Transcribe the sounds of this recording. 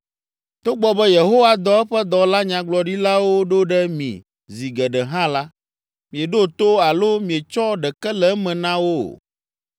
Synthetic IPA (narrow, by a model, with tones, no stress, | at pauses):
t̪o˦ɡ͡bɔ˨bɛ˦je˨ɦo˦wa˦d̪ɔ˦ɛ˦ɸɛ˦d̪ɔ˨la˦ɲã˨ɡ͡blɔ˨ɖi˦la˦wo˦ɖo˦ɖɛ˦mḭ̃˨ | zi˨ɡɛ˨ɖɛ˨ɦã˦la˦ | mĩ˨e˨ɖo˦t̪o˦a˨lo˦mĩ˨e˨t͡ʃɔ˦ɖɛ˨kɛ˦lɛ˨˦mɛ̃˨nã˦wo̰˦˨